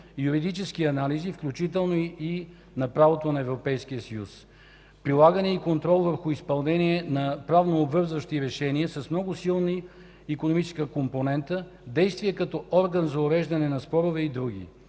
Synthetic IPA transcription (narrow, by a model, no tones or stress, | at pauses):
juɾid̪it͡ʃɛskiɐnalizifklʲut͡ʃit̪ɛlˠnoi | nɐpɾavot̪onɐɛvɾopɛjsk̟iəsɐjus | pɾilˠaɡənɛikont̪ɾɔlˠvəɾxʊispɐlˠnɛniɛnɐpɾavnoːbvɤɾzvəʃt̪iɾɛʃɛniəsɐsmnɔɡʊsilˠniː | konomit͡ʃɛskəkomponɛnt̪ə | d̪ɛjst̪vijɛkɐt̪ɔɔɾɡənzɐʊɾɛʒd̪ɐnɛnɐspɔɾovɛid̪ɾuɡʲḭ